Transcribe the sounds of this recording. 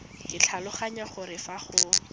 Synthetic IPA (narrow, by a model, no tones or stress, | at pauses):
kʼɪt͡ɬʰalʊχaɲaχʊɾɪfaχʊ